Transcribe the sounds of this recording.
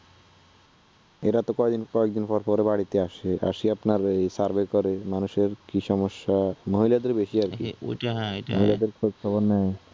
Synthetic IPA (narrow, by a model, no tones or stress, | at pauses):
eɾat̪okɔed̪inkɔek̚d̪inpɔɾpɔɾebaɽit̪eaʃea̰ʃiapnaɾejsaɾbekɔɾemanuʃeɾkiʃɔmoʃːamoɦilad̪eɾbeʃiaɾki | moɦilad̪eɾkʰotkʰɔbonːɛj